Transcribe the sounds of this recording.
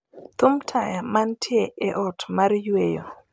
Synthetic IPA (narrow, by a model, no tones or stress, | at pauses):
t̪ʊmtʰajamantʰɪeʔɛʔɔtmarjwejo̰